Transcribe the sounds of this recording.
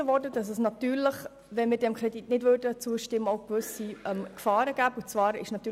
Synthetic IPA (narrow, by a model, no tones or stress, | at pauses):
əʋɔrdədɑs̬ɛsnɑt̪yːɾləχ | ʋɛnmɪːɾdɛmkʰɾɛditnɪdvʋørdət͡suəʃtɪmːəoʊkʋʏsiɛmkfɑːɾəɡ̥æːbut͡svɑːɾɪ̰ʃnɑt̪ːyː